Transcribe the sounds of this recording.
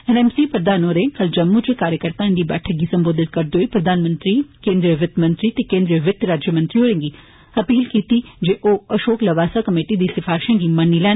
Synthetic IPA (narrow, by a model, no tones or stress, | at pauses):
ɛnɛːmsipɾɐd̪aːnoɾekɐld͡ʒɐmːut͡ʃekaːɾjəkəɾt̪aɪ̃nd̪ibɛ̰ːʈʰək̚ɡisɐ̃mboːd̪ɪt̪̚kɐɾd̪oːipɾɐd̪aːnmə̃nt̪ɾikẽːnd̪ɾiəʋɪt̪mɐ̃nt̪ɾit̪ekẽːnd̪ɾiʋɪt̪ɾaːd͡ʒjəmə̃nt̪ɾiɦoːɽẽːŋɡi | ɐpiːlkiːt̪id͡ʒeːʔoːɐʃoːklɐʋaːsakɐmeːʈid̪isɪfaːɾɪʃə̃ːŋɡimɐnilɛːn